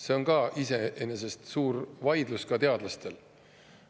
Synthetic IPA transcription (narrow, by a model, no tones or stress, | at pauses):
se̞o̞nkɑʔise̞ʔenes̬e̞st̪suːɾvɑjd̪luskɑt̪e̞ɑd̪̥lɑst̪e̞l